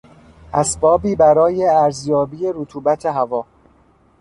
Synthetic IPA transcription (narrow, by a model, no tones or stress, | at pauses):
ʔæsbɒːbiːbæɾɒːjeæɾzjɒːbiːje̞ɾot̪ʰuːbæt̪ʰe̞ɦævɒː